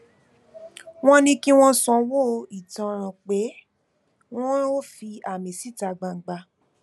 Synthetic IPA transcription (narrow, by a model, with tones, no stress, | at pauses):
w̃ɔ̃˦nĩ˧ki˦w̃ɔ̃˦sɔ̃˧wo˦i˨tã˧ɾ̃ã˨k͡pe˨˦ | w̃ɔ̃˦o˦fi˧a˨mẽ˨si˨˦ta˧˨ɡ͡bã˨ŋ̩˨ɡ͡ba˧